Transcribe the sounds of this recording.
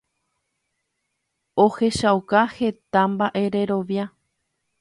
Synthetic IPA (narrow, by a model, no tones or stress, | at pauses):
ohe̞ʃawkahe̞t̪ambaʔe̞ɾe̞ɾo̞ʋja